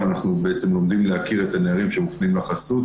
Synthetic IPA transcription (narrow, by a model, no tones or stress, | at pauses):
anaχnubeet͡se̞mlo̞md̪imlehakiʁe̞t̪aneaʁimʃemuχnaimlaχasut